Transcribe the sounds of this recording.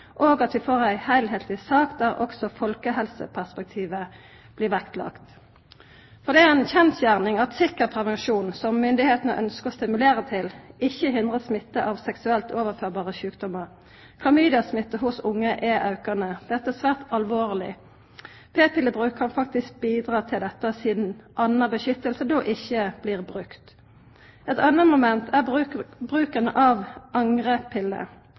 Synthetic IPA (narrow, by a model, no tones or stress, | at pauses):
ʔoːɡɑt̪ʋɪfoːʁæɪhæɪlhɛːlt̪ɪsɑːkd̪æʁʔɔ̰ksɔfɔlkəɦɛlsə̰pʰæʁspɛk̚t̪ʰiːʋə | b̥lɪːʁʋɛkt̪ʰlɑ̰kt̪ | fɔʁd̪ɛæɛnçɛnsjæʁnɪŋɑt̪sɪkːəʁpʰʁɛʋɛnʂuːnsɔmːʏnd̪ɪheːt̪nə̰ʔœnskəʁɔst̪ɪmʉleːʁət̪ʰɪlɪçːəɦɪnd̪ʁəsmɪt̪ːəʔɑʋsɛksʉɛlt̪ʰoːʋəʁføːʁbɑːʁəçʉːkd̪ɔmːəʁ | kʰlɑmyːd̪ɪɑsmɪt̪ːəɦʊsʊŋːəʔɛʔɑʉkəʁnəd̪̥ɛt̪ːəæsʋæːʁt̪ɑlʋoːʁlɪ̰ | pʰeːpʰɪlːəbʁʉːkkʰɑnfɑk̚t̪ɪsk̚biːd̪ʁɑːt̪ʰɪld̪ɛt̪ːəsɪːd̪nʔɑnəbəʃʏt̪ːəlsəd̪oːʔɪçːəb̥liːʁbʁʉkt̪ | ɛt̪ɑnːəmʊmɛnt̪ʰæʁbʁʉːkənəʔɑʋʔɑŋʁəpʰɪlːə̰